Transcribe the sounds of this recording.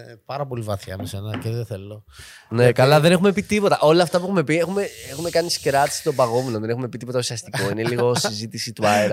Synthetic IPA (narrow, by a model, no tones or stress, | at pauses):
epɐɾɐpo̞livɐθçɐ̰mesenɐceðeθelo | nekɐlɐðe̞ne̞xume̞pit̪ipo̞t̪ɐʔo̞lɐft̪ɐpuexume̞pie̞xumeexume̞kɐniskɾɐt̪i̥si̥t̪o̞bɐɣomeno̞ðe̞ne̞xume̞pit̪ipo̞t̪ɐusiɐst̪iko̞ineliɣo̞sizit̪isit̪uɐeɾɐ